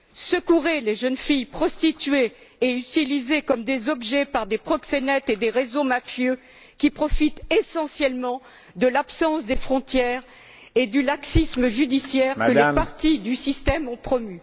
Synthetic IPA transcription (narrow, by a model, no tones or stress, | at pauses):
səkuʁeleʒənfijpχɔst̪it̪ɥeː | yt̪ilizekɔmd̪ezɔbʒɛpaʁd̪epχɔksenɛt̪ed̪eʁezomafjø | kʲipχɔfit̪esɑ̃sjɛlmɑ̃ | d̪əlapsɑ̃sd̪efχɔ̃t̪jɛːʁ | ed̪ylaksisməʒyd̪isjɛʁəlepaʁt̪id̪ysist̪ɛmɔ̃pχɔmy